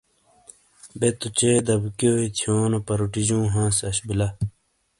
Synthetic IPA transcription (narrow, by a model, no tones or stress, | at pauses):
bet̪ut͡ɕeːd̪ɐbkoːit̪ʰjoːnɐpɐɾuʈid͡ʑũːɦãːsɐɕbilɐ